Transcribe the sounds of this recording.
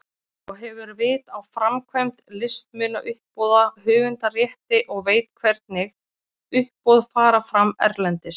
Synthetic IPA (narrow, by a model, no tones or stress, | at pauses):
ɔɣɦɛvʏɾvɪːt̪awfɾamkʰvɛjmt̪lɪst̪mʏːnaʔʏhpɔːðahʏːvʏnt̪arjɛht̪ɪʔɔɣveːjt̪kʰvɛɾt̪nɪɣ | ʏhpːɔðfaːɾafɾamːɛ̰ɾlɛnt̪ɪs